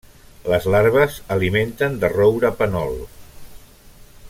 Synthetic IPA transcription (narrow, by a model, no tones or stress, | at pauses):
ləzlaɾβəzəliment̪ənd̪ərowɾəpənɔlˠ